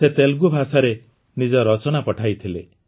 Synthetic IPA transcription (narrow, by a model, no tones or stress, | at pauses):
set̪elɡubʱasaɾe | nid͡ʒɔɾɔt͡ʃɔnapɔʈʰajt̪ʰile